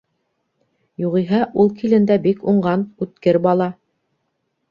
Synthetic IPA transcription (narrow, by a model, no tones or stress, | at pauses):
juʁiɦɑʔulˠkʰilɘ̆nd̪æbikuɴɢɑnʉt̪kɘɾbɑlˠɑ